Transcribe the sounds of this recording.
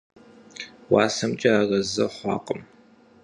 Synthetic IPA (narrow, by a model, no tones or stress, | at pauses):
wɑːsɐmt͡ʃʼɐarɐzɐχʷɑ̰ːqʼəm